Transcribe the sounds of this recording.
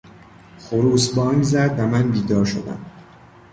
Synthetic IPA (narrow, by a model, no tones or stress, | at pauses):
χoɾuːsbɒːŋɡzæd̪væmænbiːd̪ɒːɾʃo̰d̪æ̰m